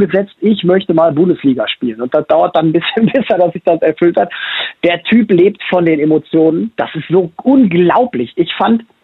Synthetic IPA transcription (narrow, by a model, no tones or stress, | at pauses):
ɡəzɛt͡stʔɪçmœçtəmaːlbʊndəsliːɡaʃpiːlənʊntd̥asd̥aʊɐt̚d̥annbɪsçənbɛsɐdasz̥ɪçd̥asɛɐfʏlthatd̥eːɐtʰyːpleːptfɔndeːnemot͡sjoːnənd̥asɪstz̥oːʔʊnɡlaʊplɪçʔɪçfant